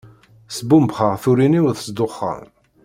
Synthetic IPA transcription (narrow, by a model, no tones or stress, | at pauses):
sbumbχəʁθuɾiniwðəsd̪ʊχːə̰m